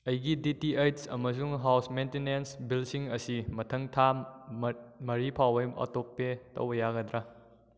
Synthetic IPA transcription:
ɐjɡiditiejtsɐ̰mɐs̬uŋɦawsmejntenensbilsiŋɐsimɐtʰɐŋtʰa | mɐɾipʰawɐjɐ̰tok̚pːetɐ̰wbɐjaɡɐdɾa

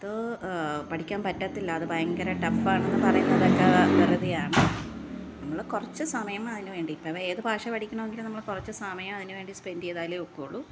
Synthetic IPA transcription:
ɐðo | pɐʈʰikʲːaːmpɐtːat̪ːilːɐːðɨbɐjɐŋɡɐɾɐʈɐfaːɳenːɨpɐrɐjunːɐðɐkːɐʋɐrɐðijaːɳɨ | nɐmːɐɭkurɐt͡ɕːɨsɐmɐjɐmɐðinɨʋe̞ːɳɖiːpːɐeːðɨbʱaːʂɐpɐʈikʲːuɳɐʋeŋɡilnɐmːɐɭkurɐt͡ɕːɨsɐmɐjɐmɐðinɨʋe̞ːɳɖispendejðaːjileokːoːɭu

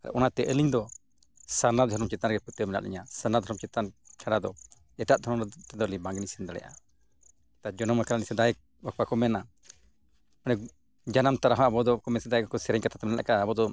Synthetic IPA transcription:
aɾʔɔnat̪ɛʔəliɲd̪ɔ | saɾnad̪ʱɔɾɔmt͡ʃɛt̪anɾɡɛput̪əmɛna̰ʔlḭɲasanad̪ʱɔɾɔmt͡ʃɛt̪ant͡ʃʰaɽad̪ɔ | ɛʈaʔ̚d̪ʱɔɾɔmt̪ɛd̪ɔlibaŋɡɛnisɛnd̪aɽɛ̰jʔa̰ | t̪ad͡ʒɔnɔmakaɾanisɛd̪aɛk̚ | bak̚akɔmɛna | ɔnɛ | d͡ʒanamt̪aɾaɦãabɔd̪ɔkɔmɛsɛd̪ajɛkɔkɔsɛɾɛɲkat̪ʰat̪ɛmɛnɛala̰kaːbɔd̪ɔ

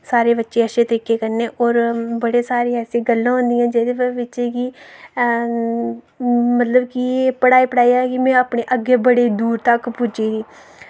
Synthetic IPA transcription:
saːɾeːbətːʃeːəʃẽːt̪əɾiːkeːkəɾneːʔɔːɾbəɽeːsaːɾeːɛːsẽːɡəlːãːɦʊ̃nd̪ijãːd͡ʒeːd̪eːʋɪt͡ʃeːki | mət̪ləbkieːpəɽaːiːpəɽaːiɛkɪmɛ̃ːaːpɳeːʔəɡːeːbəɽeːd̪uːɾt̪əkpʊd͡ʒiːd̪iː

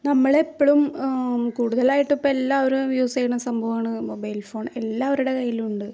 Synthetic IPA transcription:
nɐmːɐɭepːoɭumkuːɽuðɐlaːjiʈːupːoːelːaːʋɐɾumjuːsejɐɳsɐmbʱɐʋaːɳɨmobɐjlfo̞ːɳe̞lːaːʋɐɾuɽe̞kɐjːiluɳɖɨ

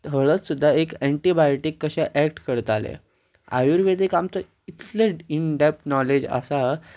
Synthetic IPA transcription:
ɦəɭət͡ssud̪ʱːaekɛɳʈibajʈikːəɕaʔækʈkəɾt̪alḛ | a̰juːɾʋed̪ikamt͡sə | it̪leiɳɖɛp̚ʈnɔled͡ʑə̰sa

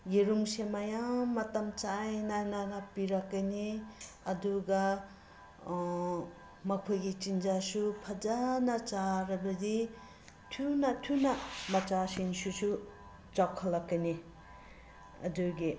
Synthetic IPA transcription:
jeɾuŋsemajaŋmɐtamt͡ʃajnanaɡapiɾakːajniɐduɡa | mɐkʰojɡit͡ʃind͡ʒasupʰad͡ʒanat͡ʃaɾabɐdi | tʰunatʰunamat͡ʃasinsusu | t͡ʃakʰːalːakːajni | ɐ̰duɡi

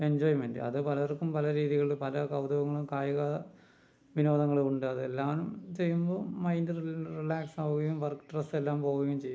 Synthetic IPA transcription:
e̞ɲd͡ʑoːjmendɨ̰ɐ̰ðɨpɐlɐɐrkːumpɐlɐɾiːðiɣɐɭilpɐlɐkɐwd̪ɐʋɐŋːɐɭumkaːjɐɣɐ | ʋino̞ːd̪ɐŋːɐɭuuɳɖɨɐðɨelːaːnumt͡ɕe̞jːumbo̞ːmɐjndɨririlaːksaːʋuɣɐjumʋɐrkʈrɐstelːaːmpo̞ːɣɐjumt͡ɕejː

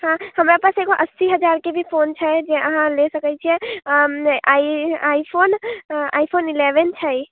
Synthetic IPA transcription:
hãhəmɾapəɾseɡoʔəsːiɦəd͡ʒaɾkebʱipʰont͡ʃʰəd͡ʒeʔəɦãlesəkət͡ʃʰiɛ̃ | aaipʰona̰jpʰonilebent͡ʃʰəj

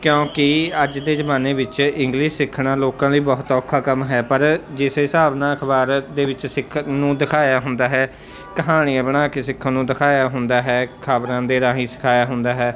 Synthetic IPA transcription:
kjõːkɪəd͡ʒd̪eːzəmaːneːʋɪt͡ʃɪ̃ŋɡliʃsɪkʰɽaːloːkãːləiːbɔːt̪ɔːkʰːaːkəmɦɛːpəɾd͡ʒɪsɪsaːbnãːəkʰbaːɾd̪eːʋɪt͡ʃsɪkʰːnũːd̪ɪkʰaːjaːɦʊnd̪aːɦɛː | kəɦaːɽ̃iãːbəɽ̃aːkeːsɪkʰːãːnũːd̪ɪkʰaːjaːɦʊnd̪aːɦɛːkʰaːbɾãːd̪eːɾaːɦĩːsɪ̥kʰaːjaːɦʊnd̪aːɦɛː

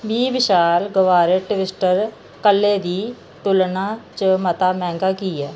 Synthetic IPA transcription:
biːbɪʃaːlɡəʋaːɾəʈɪʋɪsʈəɾ | kəlːeːd̪iː | t̪ʊlnãːt͡ʃəmət̪aːmɛ̃ːŋɡaːkiːɛː

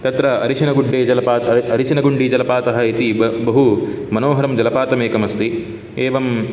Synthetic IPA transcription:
t̪ɐt̪ɾɐɐɾiʃinɐɡuɳɖːeːd͡ʒɐlɐpaːɐɾiʃinɐɡuɳɖid͡ʒɐlɐpaːt̪ɐɦɐit̪ibɐɦu | mɐnoːɦɐɾɐmd͡ʒɐlɐpaːt̪ɐmeːkɐmɐst̪i | eːʋɐm

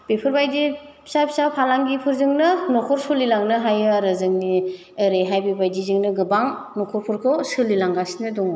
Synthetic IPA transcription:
b̥epʰɯɾbajdi | sapʰsapʰalaŋɡipʰɯɾzɯŋnɯnɔkʰɔɾsulilaŋnɯɦajɯaɾɯzɯŋni | ɯɾeɦajbebajdizɯŋnɯɡɯbaŋnɔkʰɔɾpʰɯɾkʰɔsɯlilaŋɡasnɯdɔŋɯ

